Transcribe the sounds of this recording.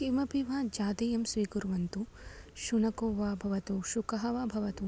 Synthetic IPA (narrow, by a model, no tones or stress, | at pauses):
ʃimɐpiʋaːd͡ʒaːt̪ijɐmsʋiːkuɾʋɐnt̪u | ʃunɐkoːʋaːbʱɐʋɐt̪uʃukɐɦɐʋaːbʱɐʋɐt̪u